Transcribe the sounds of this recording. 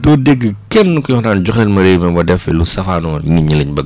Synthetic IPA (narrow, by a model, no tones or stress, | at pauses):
dɔːdeɡːəkɛnːukujɔxnaːnɟɔxɛlmɐɾemɛbɐdɛfɛlusɐfaːnɔːniɲiliɲbɐɡ